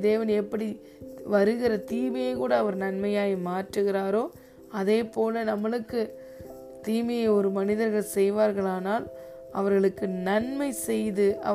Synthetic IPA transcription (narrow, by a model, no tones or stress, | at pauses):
d̪eːʋɐnɛpːɐɽi | ʋɐɾɯɣɪrɐt̪iːmɐjɐɪkuːɽɐːʋɐɾnɐnmɐjaːɣimaːʈrɯɣɪɾaːɾoː | ɐðeːpoːlɐnɐmːɐɭɯkːɯ | t̪iːmɐjɐɪɔɾɯmɐnɪðɐɾɣɐɭsɛjʋaːɾɣɐɭaːnaːl | ɐʋɐɾɣɐɭɯkːɯnɐnmɐɪsɛjðɯʔɐ